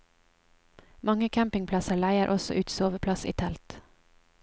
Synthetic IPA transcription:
mɑŋəkʰæmpɪŋpʰlɑsəɭæɪəɾʔɔsɔ̰ʔʉːt̪soːʋəpʰlɑsḭːt̪ʰɛlt̪

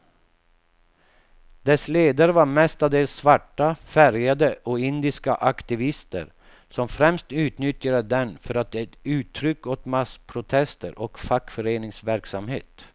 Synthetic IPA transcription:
d̪ɛsleːd̪aɾəvaɾmɛst̪ad̪eːlsːvaʈːafæɾjad̪əʔɔɪnd̪ɪskaʔakt̪ɪvɪst̪ə̰ɾ | sɔmfɾɛmst̪ʉ̟ːt̪nʏt̪jad̪əd̪ɛnfœɾat̪̚d̪ɛt̪ʉ̟ːt̪ʰːɾʏkːɔt̪maspʰɾʊt̪ʰɛst̪ə̰ɾʔɔkfakːfœɾeːnɪŋsvæɾksamhḛːt̪

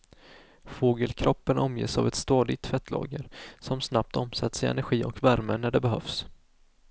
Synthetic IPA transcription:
foːɡəlkʰɾɔpːənʔɔmjḛːsavɛt̪st̪ɑːd̪ɪɡ̚t̪fɛt̪ʰːlɑ̰ːɡəɾsɔmsnap̚t̪ɔmsat̪ːsɪɛ̰næɾɧiːɔkvæɾmənæɖɛbɛɦœfs

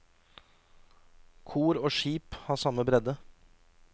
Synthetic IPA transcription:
kʰuːɾoːʃiːphɑːsɑməbɾɛd̪ə

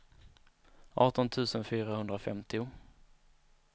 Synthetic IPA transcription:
ʔɑːʈɔnt̪ʰʉ̟ːsənfyːɾahɵnd̪ɾafɛ̰mt̪ɪʊ

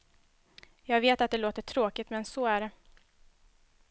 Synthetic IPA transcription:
jɑːɡveːt̪at̪̚d̪ɛloːt̪əʈʰɾoːkɪt̪mɛnsɔæɖɛ

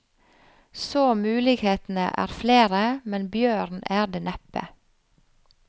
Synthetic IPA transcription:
soːmʉːlɪɡheːt̪n̩ə̰ʔæ̰ːɾfleːɾəmɛnbjøːɾnæːɖeːnɛpə̰

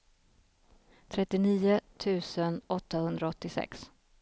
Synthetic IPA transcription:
t̪ʰɾɛt̪ːɪniːʊt̪ʰʉ̟ːsənɔt̪ːahɵnd̪ɾaɔt̪ːɪsɛ̰ks

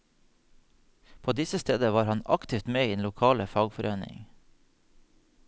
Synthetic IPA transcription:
pʰoːd̪ɪsəst̪eːd̪əʋɑːɾhɑnɑ̰kt̪ɪft̪meːeːnlʊkʰɑːləfɑːɡfɔɾœʏnɪ̰ŋ

